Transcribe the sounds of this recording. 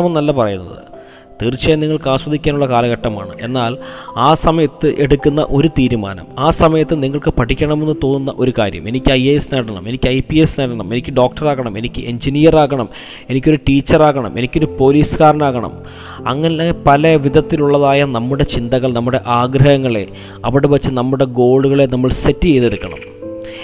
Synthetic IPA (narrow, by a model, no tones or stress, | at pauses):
ɐmnnɐlːɐpɐrɐjunːɐ̰ðɨ̰ | t̪iːrt͡ɕːiɐniŋːɐɭkaːswɐd̪ʱikʲːaːnuɭːɐkaːlɐɣɐʈːɐma̰ːɳɨʔe̞nːaːlaːsɐmɐjɐt̪ːɨʔe̞ɽukʲːunːɐ̰ʔo̞ɾut̪iːɾuma̰ːnɐ̰maːsɐmɐjɐt̪ːɨniŋːɐɭkɨpɐʈʰːikʲːɐɳɐme̞nːɨt̪o̞ːnːunːɐʔo̞ɾukaːɾjɐ̰me̞nikʲːɨɐjeesneːɽɐɳɐ̰me̞nikʲːɨɐjpiesneːɽɐɳɐme̞nikʲːɨɖo̞ːk̚ʈɐraːɣɐɳɐme̞nikʲːɨʔe̞ɲd͡ʑinijɐraːɣɐɳɐm | e̞nikʲːo̞ɾuʈiːt͡ɕːɐraːɣɐɳɐ̰me̞nikʲːo̞ɾupo̞ːliːsɨkaːɾɐnaːɣɐɳɐ̰m | ɐŋːɐnepɐlɐʋid̪ʱɐt̪ːiluɭːɐðaːjɐnɐmːuɽe̞t͡ɕind̪ɐɣɐɭnɐmːuɽe̞ʔaːɡɾɐhɐŋːɐɭe̞̰ | ɐʋiɽeʋɐt͡ɕːɨnɐmːuɽe̞ɡo̞ːɭuɣɐɭe̞nɐmːɐɭsetːije̞jðe̞ɽukːɐɳɐ̰m